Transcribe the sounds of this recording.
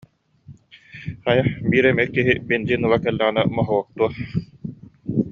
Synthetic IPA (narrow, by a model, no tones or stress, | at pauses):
χajaχbiːɾɛmɛkːiɦibind͡ʑiːnɯlˠakɛlːɛʁinɛmɔɦɔwɔk̚t̪uɐ